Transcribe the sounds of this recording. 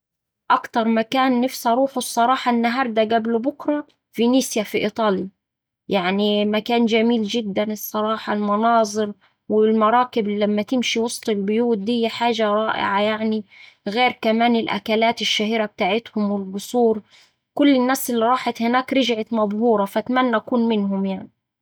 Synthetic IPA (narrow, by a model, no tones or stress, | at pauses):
ʔakt̪ɑɾˤmakaːnːɪfsɑɾˤuːħwsˤːɑɾˤɑːħɑnːaɦɑːɾˤd̪aɡablʊbʊkɾˤɑ | finiːsjafiʔit̪ˤɑːli | jaʕnimakaːnd͡ʒamiːld͡ʒɪd̪ːanɨsˤːɑɾˤɑːħɑlmɑnɑːzˤɨɾ | wɪlmɑɾˤɑːkɪblamːat̪ɪmʃiwɑsˤt̪ˤɪlbʊjuːt̪̚d̪ɪhjːaħaːʒaɾˤɑːʔɪ̰ʕajaʕni | ɣeːɾkamaːnɪlʔa̰kalaːt̪ɪʃːahiːɾab̚t̪aːʕɪt̪hʊmwɪlbʊsˤuːɾ | kʊlːɪnːaːsɪlːiɾˤɑːħɪt̪hɪnaːkɾɪʒʕɪt̪mɑb̪ˤhuːɾˤɑfʔat̪manːaʔakuːnmɪnɦʊmjaʕni